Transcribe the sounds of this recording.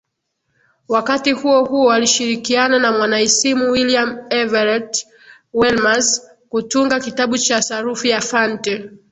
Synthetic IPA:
wakatihuɔhuɔaliʃiɾikiananamwanaisimuwiliamɛvaɾɛt | wɛlmas | kutuŋɡakitaɓut͡ʃasaɾufijafantɛ

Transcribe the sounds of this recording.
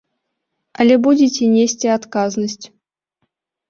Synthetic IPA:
alʲebudʲitʲenʲesʲtʲeat̪kaznəsʲtʲ

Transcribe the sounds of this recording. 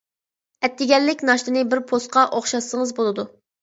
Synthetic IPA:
ɛt̪ʰːɪɡʲɛlːɪkʲnɑʃt̪ɨnɨbɪɾpʰosqɑʔoχʃɑsːəŋəzbolˠɨd̪u

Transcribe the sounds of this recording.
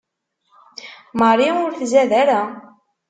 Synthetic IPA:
məɾˤiʊɾθzæðæɾæ

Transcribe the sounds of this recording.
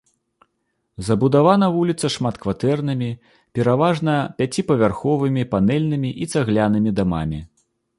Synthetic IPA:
zɐbud̪avanɐvulʲit̪sɐʂmat̪kvat̪ɛrnɨmʲi | pʲɛɾavaʐnɐpʲat͡sʲipɐvʲarxɔvɨmʲipanɛlʲnɨmʲiʔit̪saɣlʲanɨmʲid̪ama̰mʲi

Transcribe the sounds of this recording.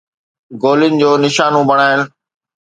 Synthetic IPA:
ɡoːlɪnɪ̆d͡ʑoːnɪʃaːnõbɐɽ̃aːɦɪl

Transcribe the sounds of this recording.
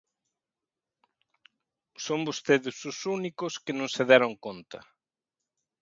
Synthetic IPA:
sombost̪eðɪsusunikʊskenõŋseðɛɾoŋkont̪ɐ

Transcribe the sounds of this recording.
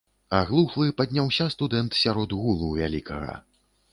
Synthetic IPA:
aɣlˠuxlˠɨpad̪ʲnʲawsʲast̪ud̪ɛnt̪sʲaɾɔd̪ɣulˠuvʲalʲikɐɣɐ̰

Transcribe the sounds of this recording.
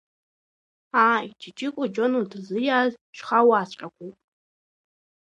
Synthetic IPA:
ait͡ʃɪt͡ʃʼɪkʷʼʊd͡ʒonudʰzɨjazʃʷχawaːst͡ɕʷʼakʷupʼ

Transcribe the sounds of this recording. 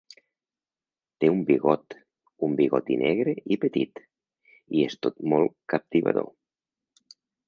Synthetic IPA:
t̪eumbiɣɔt̪ | umbiɣɔt̪inʔɛɣɾeipet̪it̪ | iest̪ot̪molˠkap̚t̪iβa̰ðo̰

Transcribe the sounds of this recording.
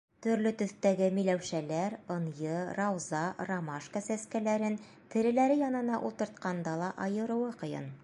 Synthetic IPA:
t̪ɵ̆ɾlɵt̪ɵ̆θt̪æɡɘmijlæwʃælæɾŏnjɤrɑwzɑrɑmaʃkəsæskælæɾɘn | t̪ɘ̆ɾɘ̆læɾɘjɑnɤ̆nɑʔulˠt̪ɤ̆ɾt̪̚qɑnd̪ɑlˠɑʔɑjɤ̆ɾŭwɤqɤ̆jɤ̰n

